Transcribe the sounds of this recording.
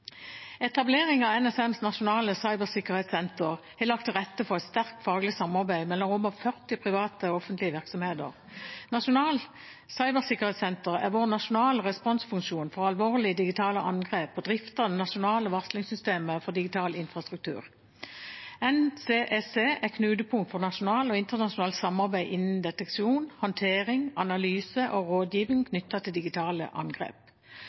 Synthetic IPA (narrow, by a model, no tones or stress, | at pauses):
ɛt̪ɑbleːʁɪŋɑʋɛnɛsɛmsnɑʃʊnɑːləsɑɪbəʁsɪkəʁheːt̪sɛnt̪əʁhɛlɑk̚t̪ʰːɪlʁɛt̪ːəfɔʁɛt̪st̪æʁk̚t̪fɑːɡlɪsɑmɑʁbæɪmɛlːɔmɔmɔfœʁt̪ɪpʰʁɪʋɑːt̪əɔfənt̪lɪəʋɪʁksɔmheːd̪ə̰ʁ | nɑʃʊnɑːl | sɑɪbəʁsɪkːəʁhɛːt̪sɛnt̪əʁæ̰ʁʋoːʁnɑʃʊnɑːləʁɛspɔnsfʉŋʃuːnfɔʁɑlʋoːʁlɪəd̪ɪɡɪt̪ʰɑːləʔɑ̰nɡʁeːpɔd̪ʁɪft̪əd̪ɛnɑʃʊnɑːləʋɑʁslɪŋsʏst̪eːməfɔʁd̪ɪɡɪt̪ʰɑːlɪnfʁɑst̪ʁʉk̚t̪ʰʉ̰ːʁ | ɛnseːʔɛseːɛkʰnʉːd̪əpʰʊŋt̪fɔʁnɑʃʊnɑːlɔɪnt̪əʁnɑʃʊnɑːlt̪sɑmɑʁbæɪʔɪnn̩d̪ɛt̪ɛkʃuːnhɑnt̪ʰeːʁɪŋɑnɑlyːsəʔoʁoːd̪jiːʋɪŋkʰnʏt̪ːɑt̪ʰɪld̪ɪɡɪt̪ʰɑːlə̰ʔɑ̰nɡʁḛːp̚